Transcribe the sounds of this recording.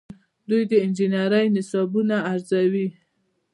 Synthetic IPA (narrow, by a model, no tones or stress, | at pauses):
d̪ujd̪əɪnd͡ʒɪnaɾəjnɪsɑbunaːɾzawi